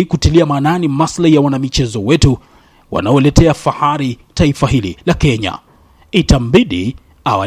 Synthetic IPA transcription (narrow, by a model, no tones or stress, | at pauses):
ikutiliamaːnanimaslaijawanamit͡ʃɛzɔwɛtu | wa̰naɔlɛtɛafahaɾitaifaɦilḭlakɛɲa̰ | itambiɗi | awa